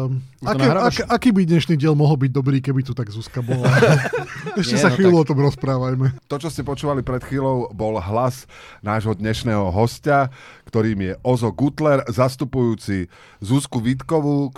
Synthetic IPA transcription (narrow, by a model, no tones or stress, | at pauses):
aɛakʔakiːbid̪ɲɛʃniːɟɪɛlmɔɦl̩biɟ̚d̪ɔbɾiːkɛbit̪ut̪aɡzuskabɔla | ɛʃcɛsaxʋiːluɔt̪ɔmɾɔspɾaːʋajmɛt̪ɔt͡ʃɔscɛpɔt͡ʃuːʋalipɾɛt̪xʋiːlɔʊbɔlɦlasnaːʒɦɔd̪ɲɛʃnɛːɦɔɦɔscakt̪ɔɾiːmɪjɛʔɔzɔɡut̪lɛɾzast̪upujuːt͡si | zuskuʋit̪kɔʋu